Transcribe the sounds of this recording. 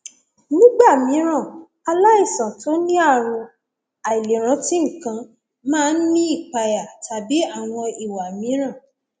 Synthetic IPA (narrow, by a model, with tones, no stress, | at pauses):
nĩ˦ɡ͡ba˦˨mĩ˨˦ɾ̃ã˦˨ | a˧la˦i˦˨sã˨tʰo˨˦nĩ˦a˦˨ɾ̃ũ˧ | a˨i˨le˨ɾ̃ã˨˦ti˦ŋ̩˨kã˧ | mãː˦˧n̩˦nĩ˦i˦˨k͡pa˧ja˨tʰa˨bi˨˦a˦˨w̃ɔ̃˧i˨wa˨mĩ˨˦ɾ̃ã˦˨